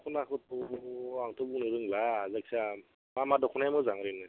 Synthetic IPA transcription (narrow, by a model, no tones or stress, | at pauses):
kʰunakʰɯtɔaŋtɔbuŋnɯɾɯŋlaːzaksa | mamadɔkʰunajmɯzaŋɾɯnɯ